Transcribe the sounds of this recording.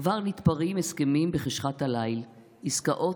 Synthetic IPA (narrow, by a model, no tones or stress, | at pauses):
vaʁnit̪paʁimeskemimbeχeʃχat̪halajl | iskaʔo̞